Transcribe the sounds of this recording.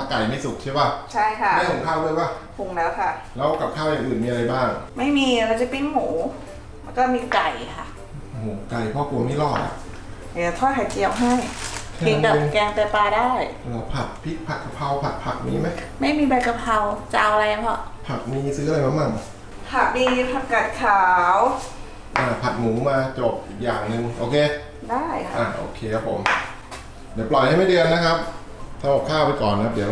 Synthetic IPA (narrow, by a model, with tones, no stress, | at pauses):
a˧˩ka˨˩jma˥˩jsu˨˩k̚t͡ɕʰi˥˩wa˦˥˩t͡ɕʰa˥˩jkʰa˦˥˧da˥˩t̪ʰo˨˩˦ŋkʰaː˥˩wluː˧˨jwaː˥˩ | pʰu˨˩˦ŋlɛː˦˥wkʰa˥˩lɛː˦˥wka˨˩p̚kʰaː˥˩wjaː˨˩ŋʔɯː˨˩nmiː˧a˧a˧jbaː˥˩ŋma˥˩jmiː˧ɾa˧˩wt͡ɕa˨˩pi˥˩ŋmuː˩˦ | ma˧nkɔː˥˩miː˧ka˨˩jkʰa˥˩ | ʔo˨oː˨˩ka˨˩jpʰɔ˦˥˩ku˧˩ma˥˩jlɔː˧˩t̪̚a̰˨˩ʔ | a˨˩a˧˩t̪ʰɔː˥˩kʰa˨˩ki˧ə˧wɦa˥˩jʰe˨˧˩ka˨˩˧kɛː˧ŋt̪ɛː˧paː˧daː˥˩jlɛː˦˥wpʰa˨˩t̪̚pʰi˦˥t̪̚pʰa˨˩t̪̚kʰa˧pʰa˧wpʰa˨˩t̪̚pʰa˨˩k̚niː˦˥ma˦˥j | ma˥˩jmiː˧ba˧jka˧pʰa˧wt͡ɕa˧ʔa˧wʔa˧la˧ja˧˩pʰɔ˧˩pʰa˨˩k̚niː˧sɯː˦˥ʔla˧jma˧˥ma˥˩ŋ | pʰa˨˩k̚niː˧pʰa˨˩t̪̚ka˨˩t̪̚kʰaː˩˦w | ʔaː˧˩pʰa˨˩t̪̚muː˩˦maː˧t͡ɕo˨˩p̚ʔiː˨˩k̚jaː˨˩ŋnɯ˨˧ŋʔoː˧kʰeː˧ | daː˥˩jʰʔaː˨˩ʔo̰ː˧kʰeː˧kʰa˦˥pʰːo̰˩˦m | di˨˦plɔ˨˩jha˥˩jma˥˩dɯ˧ənːa˦˥kʰa˦˥p̚ | sʰa˧˩ɔː˨˩p̚kʰaː˥˩wpa˧jkɔː˨˩nkʰa˦˥di˨˩˦